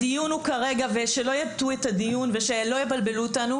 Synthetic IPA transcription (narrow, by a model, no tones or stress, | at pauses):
dijunukaʁe̞ɡaveʃe̞lo̞jatuetadijunve̞ʃelo̞jebalbe̞luotanu